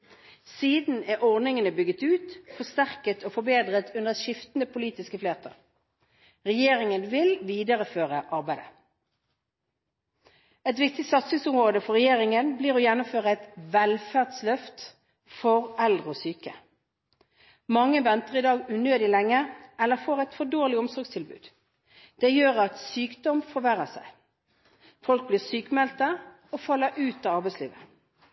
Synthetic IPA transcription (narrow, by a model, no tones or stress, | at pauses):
siːd̪n̩æʔɔʁnɪŋənəbʏɡət̪ʉːt̪fɔst̪æʁkət̪ʰoːfɔbeːd̪ʁət̪ʰʉnd̪əʃɪft̪n̩əpʰʊliːt̪ɪskəfleːt̪ʰə̰ʁ | ʁɛjeːʁɪŋənʋɪlʋiːd̪əʁəføːʁəʔɑʁbæɪd̪ə | ɛt̪ʋɪkt̪ɪsɑt̪sɪŋsʊmʁoːd̪əfɔʁɛjeːʁɪŋənbliːʁoːjɛnʊmføːʁəɛt̪ʋɛlfæʁd̪slœft̪ | fɔʁɛld̪ʁəɔsyːkə | mɑŋːəʋɛnt̪əʁɪd̪ɑːɡʉːnøːd̪ɪlɛŋːəɛlːəʁfoːʁɛt̪fɔdoːʁlɪɔmsɔʁɡst̪ʰɪlbʉ̰ːd̪ | d̪̥ɛjøːʁɑt̪syːkd̪ɔmfɔʋæʁəsæ̰ɪ | fɔlk̚blɪːʁsyːkmɛlt̪ə | ofɑlːəɾʔʉːt̪ɑːɑʁbæɪslḭːʋə